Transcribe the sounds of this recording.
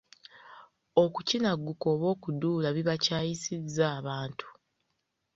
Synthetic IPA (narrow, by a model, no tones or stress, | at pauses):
o̞kucinaɡːuko̞ːβo̞ːkuduːlaβiβacaːjisizːaːβaːntʰu̥